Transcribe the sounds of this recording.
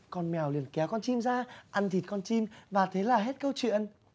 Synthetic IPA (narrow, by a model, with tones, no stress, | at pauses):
kɔ˧nmɛ˨˩wli˨˩ənkɛ˨˦wkɔ˧nt͡ɕi˧mzaː˧ʔa˧nt̪ʰi˨˩t̚kɔ˧nt͡ɕi˧mvaː˨˩t̪ʰe˨˦laː˨˩ɦe˦˥t̚kə˧wt͡ɕwḭ˧˨ən